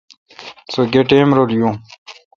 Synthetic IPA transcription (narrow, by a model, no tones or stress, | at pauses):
soɡeʈeːmɾoljõː